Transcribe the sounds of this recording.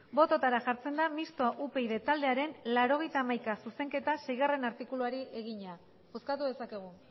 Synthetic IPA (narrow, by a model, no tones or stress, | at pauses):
bo̞t̪o̞t̪aɾaʝaɾt͡se̞nd̪amist̪oʔupe̞jðe̞t̪ald̪e̞aɾe̞nlaɾo̞ɣ̞e̞jt̪aːmajkasuse̞ŋke̞t̪ase̞jɣ̞are̞naɾt̪ikuluaɾiʔe̞ɣ̞iɲa | bo̞skat̪uðe̞sake̞ɣ̞u